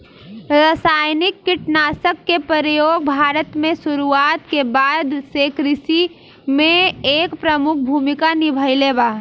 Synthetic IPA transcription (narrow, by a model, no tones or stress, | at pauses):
ɾəsaːjnɪkːɪʈnaːsəkːepəɾəjoːɡ̚bʱaːɾət̪mẽsuɾuaːt̪kebaːd̪sekɾɪsi | mẽeːkpɾəmʊk̚ʰbʱuːmikanibʱəɪleba